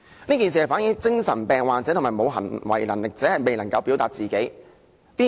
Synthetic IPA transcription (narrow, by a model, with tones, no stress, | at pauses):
niː˥kiː˨ns̬iː˨hɐ˨jfaː˨˥nji˧˥t͡sɪ˥ŋsɐ˨˩npɛː˨ŋwaː˨t͡sɛː˨˥˨maː˨˩jmo˨˧wɦɐ̰˨˩nwɐ̰˨˩jlɐ̰˨˩nlɪ˨˩k̚t͡sɛː˨˥hɐ˨˩jme˨jnɐ˨˩ŋkɐ˧wpiː˨˥wt̪aː˨t̚t͡siː˨ke˨˥j | piː˥